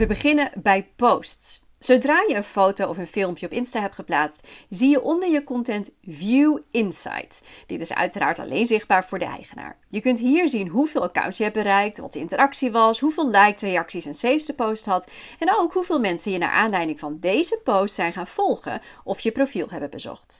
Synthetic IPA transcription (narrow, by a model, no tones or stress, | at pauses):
ʋəbəχɪnənbɛjpowsts | sowdraːjəənfowtowɔfənfɪlˠmpjəɔpɪnstaɦɛp̚tχəplaːtstzijəʔɔndəɹjəkɔntɛntvjuɪnsɑ̰jtd̥ɪtɪsœ̰ɥtəɾa̰ːɹtɑ̰lḛjnzɪχd̚baːɹv̥ʊːɹdəʔɛ̰jχəna̰ːɹjəkɵntɦiːɹzinɦuvɪːlˠəka̰wntjəɛp̚bəɾɛjk̚tʋɑ̰təɪ̰ntəɾɑksiʋɑsɦuvɪːlˠlɛjkrejɑksisɛnsejfsdəpowstɦɑtɛnowkɦuvɪːlˠmɛnsənjəna̰ːɹʔaːnlɛjdɪŋvɑndejzəpowstsɛjnχaːnv̥ɔlˠχə̰ | ʔɔfjəprowfilˠɦɛbəbəzɔ̰χt